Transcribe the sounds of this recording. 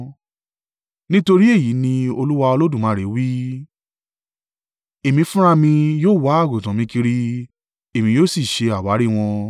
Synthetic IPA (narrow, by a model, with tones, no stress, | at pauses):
nĩ˦to˧ɾi˦e˦˨ji˨˦nĩ˧o˧lu˦wa˧o˧lo˦dũ˦˨mã˨˦ɾe˨˦wi˦ | e˨mĩ˧fũ˦ɾ̃a˦mĩ˧joː˦˨wa˦a˦˨ɡo˨tã˨mĩ˧ki˧ɾi˦ | e˨mĩ˧jo˦˨si˦˨ʃe˧a˨wa˨˦ɾi˦˨w̃ɔ̃˧